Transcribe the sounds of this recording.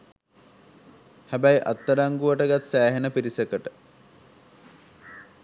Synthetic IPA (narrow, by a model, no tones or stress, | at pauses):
hæbæjʔa̰t̪ːəɾaŋɡuʋəʈəɡat̪sæːɦenəpiɾisekəʈə